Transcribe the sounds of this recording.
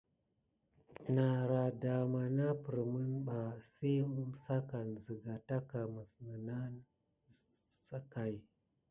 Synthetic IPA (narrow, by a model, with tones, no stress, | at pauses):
na˨ɾa˨da˨ma˨na˦pə˨ɾmə˦nɓa˨si˦mu˦msa˦ka˨nzi˨ɡa˨ta˦ka˨mə˨snə˨na˦n | sa˦ka˨j